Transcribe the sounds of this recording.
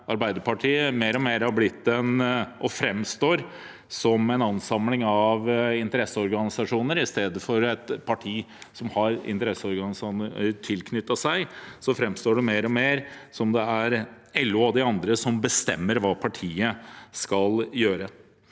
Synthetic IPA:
ɑɾbæɪd̪əɾpʰɑʈʰiːəmeːɾɔmeːɾhɑblɪt̪ːɛnʔɔfɾɛmst̪oːɾ | sɔmɛnɑnsɑmlɪŋɑʋɪnt̪əɾɛsːəɔɾɡɑnɪsɑʂuːnəɾɪst̪eːd̪əfɔɾɛt̪pʰɑʈʰiː | sɔmhɑɾɪ̰nt̪əɾɛsːəɔɾɡɑnɪsɑnt̪ʰɪlkʰnʏt̪ːɑsæɪsɔfɾɛmst̪oːɖɛmeːɾɔmeːɾsɔmd̪ɛæɾ | ɛlːʉɑd̪ɪɑnd̪ɾəsɔmbəst̪ɛ̰mːəɾʋɑːpʰɑʈʰiːəskɑljøːɾə

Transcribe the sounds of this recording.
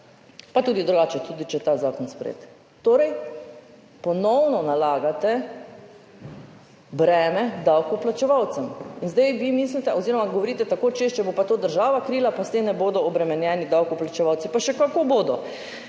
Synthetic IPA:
pat̪uːd̪id̪ɾuɡaːt͡ʃɛt̪ud̪it͡ʃɛt̪aːzaːkɔnspɾḛːt̪ | t̪oːɾɛj | pɔnɔwnɔnalaːɡat̪ɛ | bɾɛːmɛd̪awkɔplat͡ʃɛʋawt̪sɛminzd̪ɛjʋimiːslit̪ɛɔziːɾɔmaɡɔʋɔɾiːt̪ɛt̪akoːt͡ʃeʃt͡ʃɛbopat̪oːd̪əɾʒaːʋakɾiːlapast̪emnɛboːd̪ɔɔbɾɛmɛnjɛːnid̪awkɔplat͡ʃɛʋawt̪sipaʃɛkakoboːd̪ɔ

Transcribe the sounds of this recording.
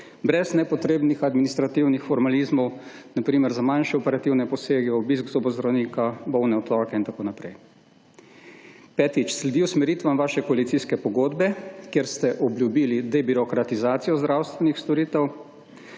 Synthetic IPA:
bɾɛznɛpɔt̪ɾeːbnixad̪minist̪ɾat̪iwnixfɔɾmalizmɔw | napɾiːmɛɾzamanʃɛɔpɛɾat̪iwnɛpɔseːɡɛɔbiːskzobɔzd̪ɾawniːkabɔwnɛɔt̪ɾɔːkɛint̪akoːnapɾɛj | pɛt̪it͡ʃslɛd̪iwsmɛɾiːt̪ʋamʋaːʃɛkɔalit̪siskɛpɔɡoːd̪bɛkjeɾst̪ɛʔɔbljubiːlid̪ɛbiɾɔkɾat̪izaːt̪sijɔzd̪ɾawst̪ʋɛnixst̪ɔɾiːt̪ɛw

